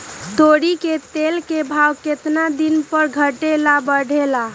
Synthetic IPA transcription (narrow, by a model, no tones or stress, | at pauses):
t̪oɽiket̪elkebʱawket̪nad̪inpəɾɡʱəʈelabəɽʱela